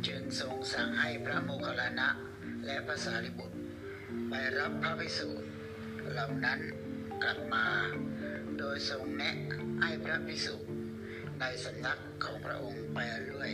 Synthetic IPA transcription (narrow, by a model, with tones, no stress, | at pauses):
t͡ɕɯː˧˩nso˨˩˦ŋsa˨˦ŋha˥˩jpʰɾa˦˥moː˧kʰa˧la˧na˦˥ʔ | lɛ˦˥ʔpʰɾa˦˥saː˩˦t̪ʰi˦˧˩bu˨˩t̪̚ | pa˧jɾa˦˥pʰːɾa˦˥pʰi˦˧˩suː˨˩t̪̚ | ɾa˧˩wna˦˥n | kla˨˩p̚maː˧ | doː˧jso˨˧˦ŋnɛ˦˥ʔha˥˩jpʰɾa˦˥pʰi˧˥su˨˩t̪̚ | na˧jsa˨˦mna˦˥kʰːɔː˩˦ŋpʰɾa̰˦˥ʔo˧ŋpa˧jɾu˥˩əj